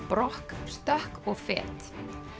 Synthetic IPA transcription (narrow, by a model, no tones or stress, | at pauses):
pɾɔhkst̪œhkɔɣfɛ̰ːt̪